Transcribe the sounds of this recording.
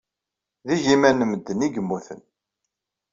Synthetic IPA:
ðiʒimænəməd̪ːəniɡəmːuθə̰n

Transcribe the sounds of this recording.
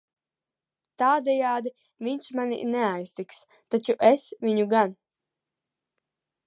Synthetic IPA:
t̪aːd̪ʲɛjaːd̪i | vʲiɲʲʃmanʲḭnɛajst̪iks | t̪at͡ʃuʔɛsvʲiɲuɡan

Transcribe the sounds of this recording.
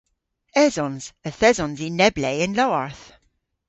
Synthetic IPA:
ɛzɔnz̥əθɛzɔ̃nzinɛbleɪnlɔwaɹθ

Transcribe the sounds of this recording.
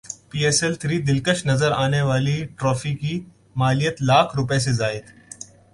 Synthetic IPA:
piːeːsɛlt̪ʰɾiːd̪ɪlkəʃnɐzəɾaːneʋaːliʈɾɔːfiki | maːlijət̪laːkʰɾʊpes̬ezaːɪd̪

